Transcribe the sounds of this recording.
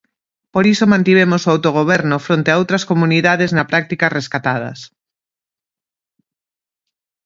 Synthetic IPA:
poɾisomãnt̪iβ̞emosoawt̪oɣ̞oβ̞ɛɾnʊfɾont̪eaowt̪ɾɐskomuniðaðeznɐpɾak̚t̪ikɐsreskat̪að̞ɐ̰s

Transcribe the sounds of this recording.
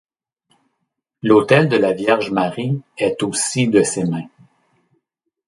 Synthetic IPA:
lot̪ɛld̪əlavjɛʁʒmaʁiɛt̪osid̪əsemɛ̃

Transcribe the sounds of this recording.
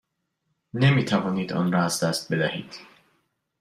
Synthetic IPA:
nemit̪ʰævɔniːd̪ɔ̰nɾɔæzd̪æst̪̚be̞d̪æhiːd̪̥

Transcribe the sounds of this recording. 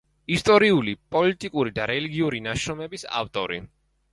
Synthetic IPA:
ist̪ʼɔɾiulipʼɔlit̪ʼikʼuɾid̪aɾɛliɡiuɾinaʃɾɔmɛbisa̰ft̪ʼɔɾḭ

